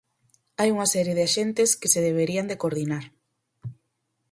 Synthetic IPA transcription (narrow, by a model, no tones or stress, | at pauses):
ajuŋasɛɾjeðeaʃent̪eskeseðeβ̞eɾiand̪ekoɾðinaɾ